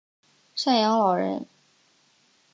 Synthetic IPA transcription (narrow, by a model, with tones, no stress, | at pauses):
ʂa˥˩njɑ˧˥ŋlɑ˨˩ʊɻə̰˧˥n